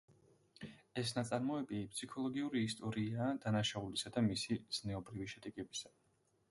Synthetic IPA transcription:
ɛsnat̪sʼaɾmɔɛbipʼsʰikʰɔlˠɔɡiuɾiːst̪ʼɔɾiaːd̪̥anaʃaulisad̪amisiz̥nɛɔbɾiviʃɛd̪ɛɡɛbisa

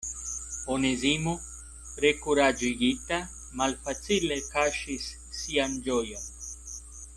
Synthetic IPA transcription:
onezimu | pɾekuɾad͡ʒiɡit̪a | malfat͡silekaʃisː | iand͡ʒojan

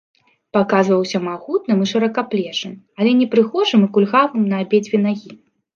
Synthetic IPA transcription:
pakazvɐwsʲɐmaɣut̪nɨmɨʂɐɾɐkaplʲɛʂɨm | alʲɛnʲɛpɾɨxɔʐɨmɨkulʲɣavɨmnɐːbʲed͡zʲvʲɛnaɣʲi

